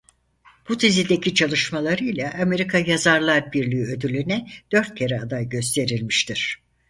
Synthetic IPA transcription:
b̥ut̪ʰizid̪e̞cʰit͡ʃʰalˠɯʃmalˠaɾɯjlʲaʔame̞ɾikʰajazaɾlˠaɾbiɾlʲiːød̪ylʲynɛd̪̥ø̞ɾt̪̚cʰe̞ɾɛad̪ajɟø̞s̬t̪ʰe̞ɾilʲmiʃt̪ʰiɾ̥

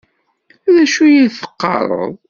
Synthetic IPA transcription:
ðæʃujilθə̥qːɑ̰ɾˤə̰ðˤ

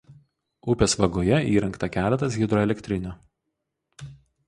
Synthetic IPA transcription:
ʊpʲeːsʋɐɡoːjɛiːɾɐŋkt̪ɐkʲæːlʲɛt̪ɐs̬ɣʲɪd̪ɾɔɛlʲɛkʲt̪ʲɾʲɪnʲoː

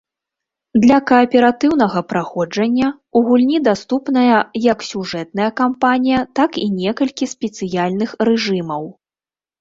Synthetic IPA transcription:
d̪lʲɐkɐːpʲɛɾat̪ɨwn̪ɐɣɐpɾaxɔd͡ʐɐnʲːɐ | uɣulʲnʲid̪ast̪upn̪ɐjɐjɐksʲuʐɛt̪̚nɐjɐkampanʲijɐt̪akinʲɛkɐlʲkʲisʲpʲɛt̪sɨjalʲn̪ɨxrɛʐɨmɐw

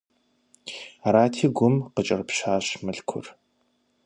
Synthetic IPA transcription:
aɾaːtʰiːɡʷʊmqət͡ʃʼɐrpɕaːɕmɨɬkʷʰʊ̰r

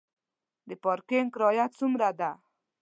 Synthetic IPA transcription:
d̪əpɔɾkeŋkɾɔjat͡sumɾad̪a

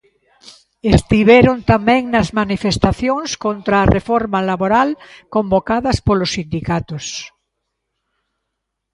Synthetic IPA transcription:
est̪iβɛɾont̪amɛ̃ŋnɐzmanifest̪aθjoŋskont̪ɾaːrʔefɔɾmalaβoɾalkombokaðɐspolosind̪ikat̪os

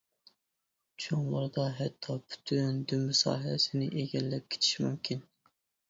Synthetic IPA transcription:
t͡ʃʰoŋlˠʊɾd̪ɑɦɛt̪ʰːɑpʰy̥t̪ʰynd̪ymːysɑ̰ːɦsɪnɪʔeɡʲɛlːɛp̚kʲʰe̥t̪ʰi̥ʃmumkʲʰin

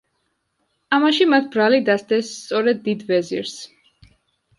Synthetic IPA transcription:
amaʃimat̪̚ʰbɾalid̪asd̪ɛst̪sʼɔɾɛd̪ːid̪vɛzḭɾs

